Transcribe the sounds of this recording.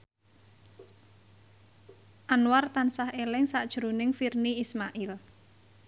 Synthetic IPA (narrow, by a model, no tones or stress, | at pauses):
ʔanwart̪ansahelɪŋsaʔd̥ʒ̥ɾṳnɪŋfirniismaʔɪl